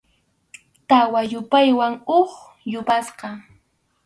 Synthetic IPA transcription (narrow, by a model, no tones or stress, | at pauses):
t̪awajʊpajwaŋoχ | jʊpasqɑ